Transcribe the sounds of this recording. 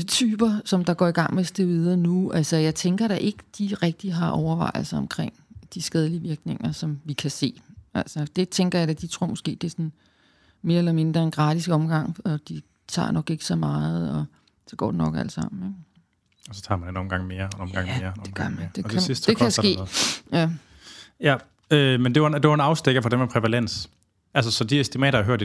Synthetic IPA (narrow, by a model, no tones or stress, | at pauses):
t͡sʰyːb̥ɐsɒ̽md̥ɑ̈ɡ̥ɒ̰ːiɡ̥ɑ̈ŋ̰mesd̥eʋið̞ˠɐnuælsɐjɑ̈ɪt͡sʰeŋɡ̥ɐɾ̥ɑ̈ʔe̝ɡ̥əd̥iʁɛɡ̥̚d̥iɦɑ̈ʔɒʊɐʋɑ̈ɪl̩ˠsɐɒ̽mkʰʁeŋ̰d̥isɡ̥ɛðˠəliəʋiɐɡ̥ne̝ŋ̰ɐsɒ̽mʋikʰæse̝̰ːælsɐd̥e̝t͡sʰeŋɡ̥ɐjɑ̈ɪd̥æd̥it͡sʰʁo̝ɐmosɡ̥e̝̰ːd̥e̝sɒn | me̝ːɐelɐme̝nd̥ʁɐe̝nɡ̥ʁɑ̈ːd̥isɡ̥ɒ̽mɡ̥ɑ̈ŋ̰ɒ̽d̥i | t͡sʰɑ̰̈ːnɒ̽ɡ̥e̝ɡ̥ə̥sɒ̽mɑ̈ːð̞̩ˠɒ | sɒ̽ɡ̥ɒ̰ːdenɒ̽ɡ̥æləsɑ̈m̰n̩eɡ̥ | ɒsɒ̥t͡sʰɑ̈ːmændenɒ̽mɡ̥ɑ̈ŋ̰me̝ːɐnɒmɡ̥ɑ̈ŋeːɐd̥eɡ̥ɐmd̥eesisd̥d̥e̝kæsɡe̝̰ːjæ | jæ | ømend̥eʋɑd̥e̝ʋɑenɑ̈ʊsd̥eɡ̥ɐfɒd̥emæpʰʁɛʋælen̰s | ʔæls̬ɐsɒ̽d̥iɐsd̥imɛ̰ːɾɐæɦøɐ̰d̥e